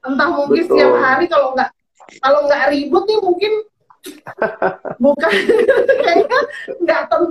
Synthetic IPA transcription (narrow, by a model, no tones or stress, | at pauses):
t̪ənt̪ahmuŋkɪnsjaməɦaɾikaloŋɡaʔ | kaloŋɡaʔɾibʊt̪̚nɪhmuŋkɪn | bukankaɲaŋɡaʔt̪ən